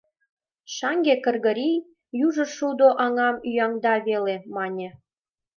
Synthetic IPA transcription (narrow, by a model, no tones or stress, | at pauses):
ʃɑŋɡʲekə̆rɣə̆ɾʲij | juʒə̆ʃud̪oʔɑŋɑmyjɑŋd̪ɑβelemɑnʲĕ